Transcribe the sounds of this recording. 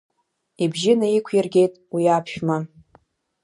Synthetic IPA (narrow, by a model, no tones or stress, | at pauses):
ibʒɪnaikʷʰjirɡʲe̞jtʼwiapʰʃᶣma